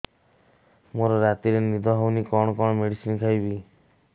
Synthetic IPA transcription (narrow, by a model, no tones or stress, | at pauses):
moɾɔɾat̪iɾenid̪ʱɔɦawnikɔɽ̃ɔkɔɽɔmeɽisinkʰajbi